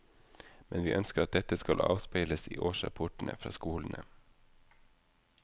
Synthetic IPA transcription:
mɛnʋiːʔœnskəɾɑt̪̚d̪ɛt̪əskɑlʔɑ̰ːʋspeɪləsḭːʔoːʃɾɑ̰pʰɔʈn̩ə̰fɾɑ̰ːskuːln̩ʔə

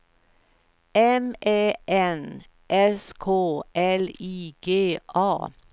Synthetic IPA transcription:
ɛmeːʔɛn | ʔɛskʰoːʔɛliːɡ̥eːʔɑː

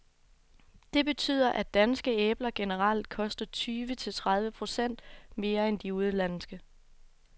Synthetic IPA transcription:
d̥e̝b̥e̝t͡sʰy̰ð̞̰ˠɐʔæd̥ænsɡ̥əeːb̥lɐɡ̥e̝nəʁɑl̰d̥̚kʰɒ̽sd̥ɐt͡sʰyːʋət͡sʰe̝lt͡sʰʁað̞ˠʋəpʰʁo̝sen̰d̥me̝ːɐend̥iuð̞ˠəlænsɡ̥ə

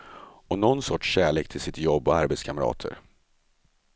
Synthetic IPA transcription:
ɔnɔnːsɔʈʂɕæːɭeːk̚t̪ʰɪlsɪt̪jɔbːɔaɾbɛt̪skʰamɾɑ̰ːt̪ʰə̰ɾ

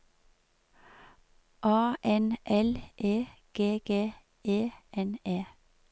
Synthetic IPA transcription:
ʔɑːʔɛnʔɛlʔeːɡ̥eːɡ̥eː | eːɛneː

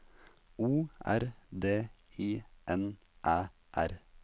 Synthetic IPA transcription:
uːæ̰ɾd̪eːiːʔɛn | ʔæː | ʔæɾ

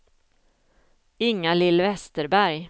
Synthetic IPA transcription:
ɪŋːalɪlːvɛst̪əɾbæɾj

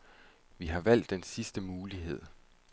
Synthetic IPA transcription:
ʋiɦɑ̈ʋæl̰d̥ːensisd̥əmuːliɦe̝ð̞̰ˠ

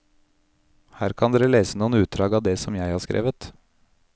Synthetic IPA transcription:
hæːɾkʰɑnd̪eːɾəleːsənuːənʉːt̪̚d̪ɾɑːɡɑːʋd̪eːsɔmjæɪhɑːɾskɾʔḛːʋət̪

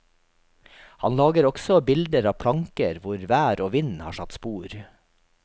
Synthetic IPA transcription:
hɑnlɑːɡəɾɔɡsɔbɪld̪əɾɑːʋpʰlɑŋkəɾʋʊɾʋæːɾʔoːʋɪnhɑ̰ːʃɑt̪spuːɾ

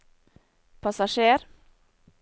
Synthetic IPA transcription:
pʰɑsɑʃeːɾ

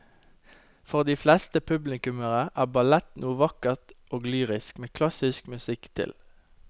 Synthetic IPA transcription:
fɔʁd̪iːflɛst̪əpʰʉblɪkʉməʁəʔæːbɑlɛt̪nuːəʋɑkəʁt̪ʔoːɡlyːʁɪskmeːkʰlɑsɪskmʉsɪkt̪ʰɪ̰l

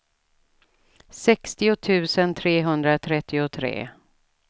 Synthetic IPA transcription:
sɛkst̪ɪʊt̪ʰʉ̟ːsənt̪ʰɾeːɦɵnd̪ɾat̪ʰɾɛt̪ʰːɪʊt̪ʰɾḛː

